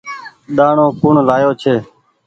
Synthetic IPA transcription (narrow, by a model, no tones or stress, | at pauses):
ɗ̪aːɳõːpʊːɳlaːjoːt͡ʃʰeː